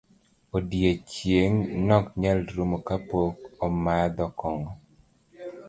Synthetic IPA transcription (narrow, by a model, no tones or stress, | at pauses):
odjet͡ʃjeŋnɔkɲalɾumokapokɔmad̪ɔkɔŋɔ